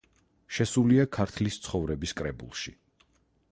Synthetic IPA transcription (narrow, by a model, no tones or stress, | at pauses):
ʃɛsuliakʰaɾt̪ʰlist̪sʰχɔvɾɛbiskʼɾɛbṵlˠʃi